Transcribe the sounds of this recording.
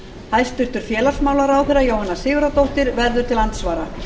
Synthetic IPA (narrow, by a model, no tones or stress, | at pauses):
hajst̪ʏht̪ʏɾ̥fjɛːlasmaːwlaɾawθɛɾajowhanːasɪːɣʏɾat̪owht̪ɪɾvɛɾðʏɾ̥t̪ʰɪlant̪svaːɾa